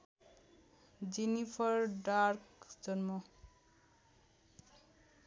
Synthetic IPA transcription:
d͡zinipʰʌɾɖarkd͡zʌnmʌ

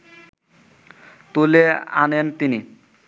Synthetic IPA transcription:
t̪ulea̰nent̪ini

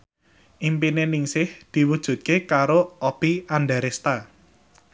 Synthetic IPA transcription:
ʔimpinenɪŋsɪhd̪̥i̤wud̥ʒ̥ṳt̪̚kekaɾoɔb̥ianɖaɾest̪a

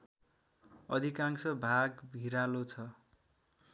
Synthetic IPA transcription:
ʌd̪ʱikaŋsʌbʱaɡbʱiɾalot͡sʰʌ

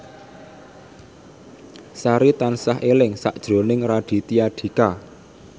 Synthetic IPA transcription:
saɾit̪ansaɦʔelɪŋsa̰ʔd̥ʒ̥ɾo̤nɪŋraɖ̥i̤t̪iaɖ̥i̤ka

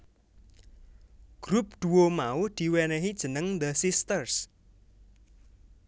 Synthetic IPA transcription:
ɡ̥ɾup̚ɖ̪̥uwomauhd̪̥i̤wɛnɛɦid̥ʒ̥ə̤nəŋd̪əsist̪ərs

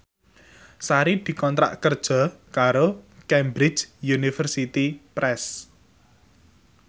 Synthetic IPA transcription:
saɾid̪̥i̤kɔnt̪ɾa̰ʔkərd̥ʒ̥ɔ̤kaɾokɛmbɾɪ̥d͡ʒjunifərsit̪ipɾʔɛs

